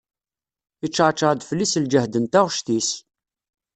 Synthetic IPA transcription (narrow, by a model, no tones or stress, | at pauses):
it͡ʃːʕt͡ʃːəʁd̪flːisld͡ʒəhd̪ənt̪aʁʃt̪is